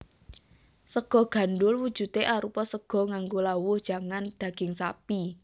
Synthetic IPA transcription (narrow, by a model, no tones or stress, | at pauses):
səɡ̥ɔ̤ɡ̥a̤ndʊlwud̥ʒ̥ṳt̪eʔaɾupɔsəɡ̥ɔ̤ŋaŋɡolawʊhd̥ʒ̥a̤ŋand̪̥ä̤ɡ̥ɪŋsapi